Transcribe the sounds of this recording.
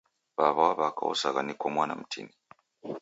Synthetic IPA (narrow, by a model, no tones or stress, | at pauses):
βaβawaβaka̰ɔ̰saɣanikɔmwana̰m̩tʰḭni